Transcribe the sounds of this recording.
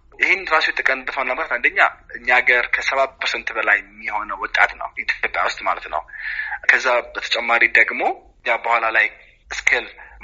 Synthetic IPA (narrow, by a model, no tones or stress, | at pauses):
jɪhɪnɾasojɛt̪ʼɨkʼənɨt̪ːəfənːəməkʰat̪and̪əɲːaʔɨɲːaɡəɾkʰəsəβat̚pʰəɾsɛnt̪bəlajɛmːiho̞nəwɔt̪ʼa̰t̪nə̰wɪt̪ʰopʼja̰wʊst̪ʼmalət̪nə̰wkʰəzːabət̪ʰət͡ʃʼɛmːaɾid̪əɡmo̞ɨɲjabəhʷalalaj | ʔɨskʰɨlm